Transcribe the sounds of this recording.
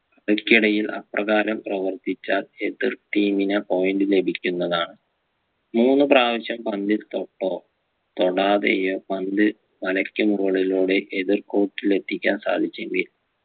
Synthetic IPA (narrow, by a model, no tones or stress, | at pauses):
kɐɽɐkʲːiɽɐjilɐ̰prɐɣaːɾɐmprɐʋɐrt̪it͡ɕːaːle̞ðirʈiːminɨpo̞jnɖɨle̞bʱikʲːunːɐðaːɳɨ | muːnːɨpraːʋɐɕjɐmpɐnd̪ilt̪o̞ʈːo̞ː | t̪o̞ɽaːðḛjoːpɐnd̪ɨ | ʋɐlɐkʲːɐmurɐɭiloːɽeʔeðirko̞ːʈːile̞t̪ʰːikʲːaːnsa̰ːlit͡ɕːeŋɡil